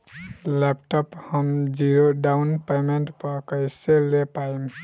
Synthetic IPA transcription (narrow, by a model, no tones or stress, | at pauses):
lep̚ʈəphəmd͡ʒiɾoɖaʊnpemeɳʈpəkəjselepaim